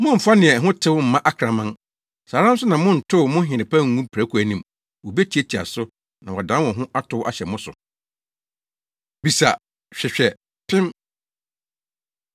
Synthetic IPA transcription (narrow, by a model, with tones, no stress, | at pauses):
mʊ̃˦m̩˨fa˦nɪ̃˨ɛ˨ɦʊ̃˦tʰɪ˦wʊ˦m̩˨mã˦ʔa˦kʰɾã˨mã˦n | saː˨ɾã˦m̩˦sʊ˦nã˨mʊ̃˦n̩˨tʰʊ˦˨mʊ̃˦ɦɪ̃˨nɪ̃˨pʰa˦ŋ̩˦ŋũ˦pʰɾæ˨˦kʰu˨æ˨nĩ˨m | wo˨be˦t͡ɕʰi˨˦æ˦tʰi˨a̰˨sʊ˦ | nã˨wɔ˨dã˦wɔ̃˨ɦʊ̃˦ʔa˦tʰʊ˦wʔa˨ɕɛ˨mʊ̃˦sʊ̰˨ | bi˨sa̰˨ | ɕᶣɛ˨ɕᶣɛ˨ | pʰɪ̃˦m